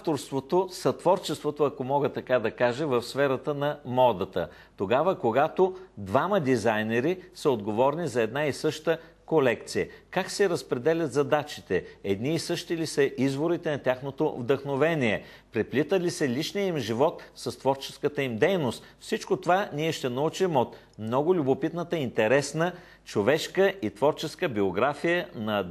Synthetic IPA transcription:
aft̪oɾst̪vot̪osɐt̪vɔɾt͡ʃɛst̪vot̪oɐkomɔɡət̪ɐkad̪ɐkaʒɛvɐfsfɛɾət̪ənɐmɔd̪ət̪ə̰ | t̪oɡavəkoɡat̪od̪vamɐəd̪izajnɛɾisɐod̪ɡovɔɾnizɐɛd̪naisɤʃt̪ə | kolɛkt̪sijəkaksɛɾɐspɾɛd̪ɛlʲɐt̪zɐd̪at͡ʃit̪ɛɛd̪niːsɤʃt̪ilisəʔizvoɾit̪ɛnɐt̪ʲjaxnot̪o̰vd̪əxnovɛnʲiɛ | pɾɛplit̪əlisəlʲiʃnijəimʒivɔt̪sɐst̪vɔɾt͡ʃɛ̥skət̪əimd̪ɛjnost̪fsit͡ʃkot̪ovaniɛʃt̪ɛnɐut͡ʃimot̪ | mnɔɡʊlʲʊbopit̪nət̪əint̪ɛɾɛsnə | t͡ʃovɛʃkəʔit̪vɔɾt͡ʃɛskəbioɡɾafijənɐ

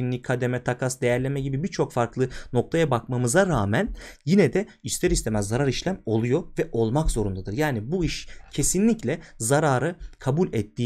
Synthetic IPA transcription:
inlʲikʰad̪emɛt̪ʰakʰasd̪e̞jæɾlʲemɛɟibibiɾt͡ʃʰo̞kfaɾklˠɯno̞k̚t̪ʰajabakmamɯzaɾaːmænjinɛd̪ɛyst̪ʰɛɾist̪ʰemæzːaɾaɾiʃlʲæmo̞lˠujovɛʔo̞lˠmakz̥o̞ɾund̪ad̪ɯɾjaːnibuiʃcʰe̞sinlʲiclʲɛzaɾaːɾɯkʰabulʲɛt̪ʰːiː

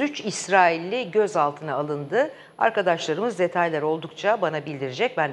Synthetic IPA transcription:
yt͡ʃisɾaːilʲːiɟø̞zalˠt̪ʰɯnaːlˠɯnd̪ɯ | a̰ɾkad̪aʃlˠaɾɯmɯzd̪e̞t̪ʰajlʲˠæɾo̞lˠd̪ukt͡ʃʰabanabilʲd̪iɾed͡ʒɛc̚bæn

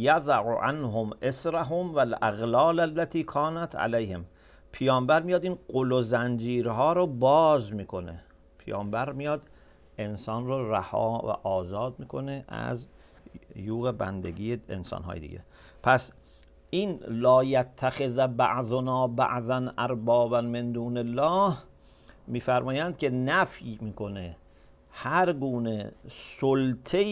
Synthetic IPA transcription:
jaðaʕuʔa̰nɦomʔesɾaɦomvælʔæ̰ɣlɒːlælːæt̪ʰiːkʰɒːnæt̪ʰa̰lejhem | pʰejɒːmbæɾmijɒːd̪iːnqolozænd͡ʒiːɾɦɒːɾobɒːzmiːkʰo̞ne | pʰejɒːmbæɾmijɒːd̪ | e̞nsɒːnroræhɒ̰ːvæ̰ʔɒːzɒːd̪̚miːkʰo̞neʔæ̰z | juːɣebæ̰nd̪ḛɡiːeḛnsɒ̰ːnɦɒ̰ːjed̪ḭːɟḛ | pʰæs | ʔiːnlɒːjæt̪ʰːæxeðbæʔðonɒːbæ̰ʔðænʔæɾbɒːbænme̞nd̪uːnelːɒːh | miːfæɾmɒːjænd̪̚kʲʰe̞næfjimiːkʰo̞ne | hæɾɡuːnesolt̪ʰe

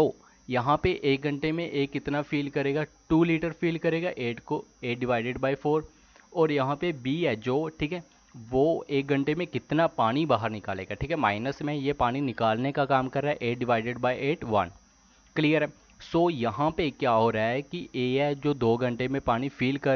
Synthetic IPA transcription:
oː | jɐɦãpeʔeːk̚ɡʱɐ̃ɳʈemẽʔeːkɪt̪nafiːlkɐɾeːɡaʈuːliːʈəɾfʰiːlkɐɾeːɡaʔeːʈkoeːɖɪʋaːɪɖeɖbaːifʰoːɾ | ɔːɾjɐɦãpebiːɛd͡ʒoːʈʰiːkɦɛː | ʋoːeːk̚ɡʱɐ̃ɳʈemẽkɪt̪napaːñibaːɦəɾnɪkaːleːɡaʈʰiːkɦɛma̰ːɪnəsmẽjepaːñinɪkaːlnekakaːmkɐɾːaːɦɛʔeːɖɪʋaːɪɖeɖbaːiʔeːʈʋɐ̰n | klijəɾɦɛ | soːjɐɦãpekjaːɦoɾɐɦaɦɛkiʔeːɛd͡ʒoːd̪oːɡʱɐ̃ɳʈemẽpaːñifʰiːlkɐɾ

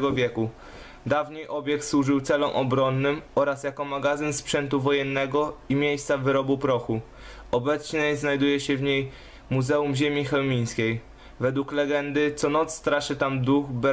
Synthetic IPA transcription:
ɛɡɔvʲjɛku | d̪avɲejʔɔbʲjɛkt̪swuʐɘwt̪sɛlɔmʔɔbɾɔnːɘmɔɾasjakɔmaɡazɘnspʂɛnt̪uvɔjɛnːɛɡɔimʲjejst̪savɘɾɔbupɾɔxu | ɔbɛt̪sɲɛznajd̪ujɛɕɛvɲej | muzɛumʑemʲixɛwmʲij̃skʲej | vɛd̪wuklɛɡɛnd̪ɘt̪sɔnɔt̪sːt̪ɾaʂɘt̪amd̪uxb

